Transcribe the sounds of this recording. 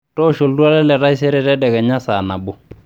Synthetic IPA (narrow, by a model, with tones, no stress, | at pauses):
tɔ˦ʃo˨ldwa˦lɛ˦lɛ˨ɾa˦i˦s̬ɛ˦ɾɛ˦tɛ˦dɛ˨kɛ˨ɲa˦sa˨na˨bʊ˨